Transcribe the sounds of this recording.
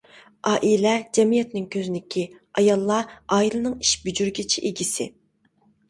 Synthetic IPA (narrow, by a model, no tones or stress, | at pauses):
ʔɑːʔilɛd͡ʒɛmijɛt̪nɪŋkʲʰøzynɪkʲʰiɑjɑlˠːɑɑːilˠɨnɨŋiʃbyd͡ʒyɾɡʲɪt͡ʃʰiʔeɡʲisɪ̰